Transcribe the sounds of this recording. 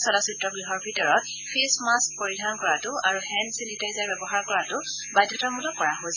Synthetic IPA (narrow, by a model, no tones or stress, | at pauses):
sɔlasitɹɔɡɹiɦɔɹbʱitɔɹɔt | pʰesmask̚poɹidʱankɔɹatʊaɹuhɛnsinitajzaɹbɛbɔɦaɹkɔɹatʊ | bajdʱjɔtaɹmulɔkɔɹaɦos